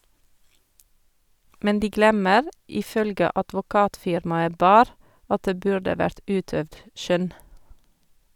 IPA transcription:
ˈmɛn ˈdiː ˈɡlɛməɾ ˌɪˈfœlɡə ɑdʋʊˈkɑːtˌfɪɾmɑə ˈbɑːɾ ˈɑt ˈdeː ˈbʉɹɖə ˈʋæɹt ˈʔʉːˌtœʋd ˈʃœn

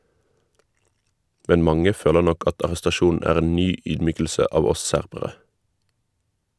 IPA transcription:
ˈmɛn ˈmɑŋə ˈføːlə ˈnɔk ˈɑt ɑʁɛstɑˈʃuːn̩ ˈæːʁ ˈeːn ˈnyː ˈyːdˌmyːkl̩sə ˈɑːʋ ˈɔs ˈsæʁbəʁə

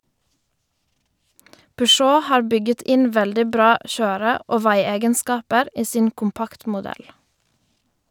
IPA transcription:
pʏˈʃoː ˈhɑːɾ ˈbʏɡət ˈɪn ˈʋɛldɪ ˈbɾɑː ˈçøːɾə ˈoː ˈʋæɪˌeːɡənˌskɑːpəɾ ˈiː ˈsiːn ˈkʊmˌpɑktmʊˌdɛl

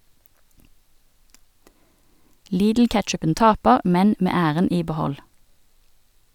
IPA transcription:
ˈliːdl̩ˌkɛtʃʉpən ˈtɑːpəʁ ˈmɛn ˈmeː ˈæːʁən ˈiː bəˈhɔl

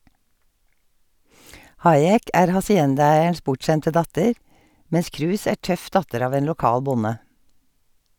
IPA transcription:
ˈhɑɪɛk ˈæːɾ hɑsɪˈɛndɑˌæɪəɳʃ ˈpʊʈˌʃɛntə ˈdɑtəɹ ˈmɛns ˈkɹʉːs ˈæː ˈʈœf ˈdɑtəɾ ˈɑːʋ ˈeːn lʊˈkɑːl ˈbʊnə

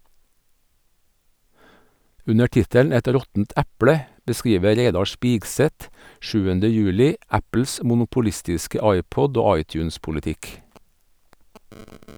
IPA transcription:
ˈʉnə ˈʈɪtəl ˈɛt ˈɾɔtn̩t ˈæpɽə bəˈskiːʋə ˈɾeɪdɑ ˈʃpiːɡsɛt ˈʃʉːəndə ˈjʉːlɪ ˈæpl̩s mʊnʊpʊˈlɪstɪskə ˈɑɪˌpɔd ˈoː ˈɑɪˌtjʉːnspʊləˌtɪk

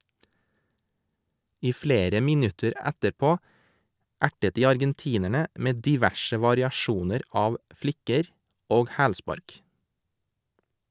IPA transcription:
ˈiː ˈfleːɾə ˈmɪnʉtəɾ ˈætəɾˌpoː ˈæʈət ˈdiː ɑɾɡɛnˈtiːnəɳə ˈʔmeː ˌdɪˈʋæʃə ʋɑɾɪɑˈʃuːnəɾ ˈɑːʋ ˈflɪkəɾ ˈoːɡ ˈhæːlˌspɑɾk

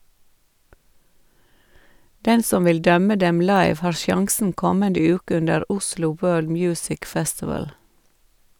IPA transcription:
ˈdɛn ˈsɔm ˈʋɪl ˈdœmə ˈdɛm ˈlɑɪʋ ˈhɑːɾ ˈʃjɑŋsn̩ ˈkɔməndə ˈjʉːkə ˈʉndəɾ ˈʊslʊ ˈwɜːɭd ˈmjʉːsɪk ˈfɛstɪʋəl

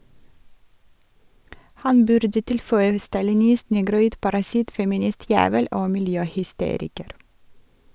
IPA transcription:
ˈhɑn ˈbʉɾdə ˈtɪlfœʏə stɑlɪˈnɪst ˈnɛɡɾʊˌiːd pɑɾɑˈsɪt fɛmɪˈnɪˌstjæːʋəl ˈoː mɪlˈjøːhʏˌsteːɾɪkəɾ

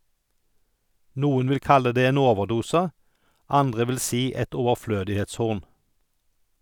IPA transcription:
ˈnuːən ˈʋɪl ˈkɑlə ˈdeː ˈeːn ˈoːʋəʁˌduːsə ˈɑndʁə ˈʋɪl ˈsiː ˈɛt ˌɔʋəʁˈfløːdɪheːtsˌhʊʁn

